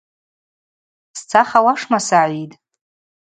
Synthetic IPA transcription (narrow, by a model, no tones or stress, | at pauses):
st͡sʰaχawaʂmasaʕʷitʼ